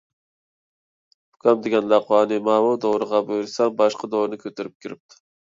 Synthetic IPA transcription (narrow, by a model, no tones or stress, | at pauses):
ʊkʲʰɑmd̪ɪɡʲɛnlɑqwɑːnɨmɑːmud̪oɾɨʁɑbøjɾsɛbɑʃqɑd̪oɾnɪkʲʰøt̪ɪɾyp̚kʲʰiɾɪp̚t̪ʰʊ̥